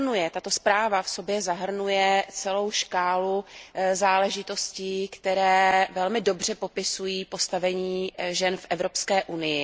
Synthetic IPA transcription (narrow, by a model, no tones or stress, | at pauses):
nujɛt̪at̪o̞spɾaːvafso̞bjɛzaɦr̩nujɛt͡sɛlo̞wʃkaːluzaːlɛʒɪt̪o̞sciːkt̪ɛɾɛːvɛlmɪdo̞br̝ɛpo̞pɪsujiːpo̞st̪avɛɲiːʒɛnfʔɛvɾo̞pskɛːʔunɪjɪ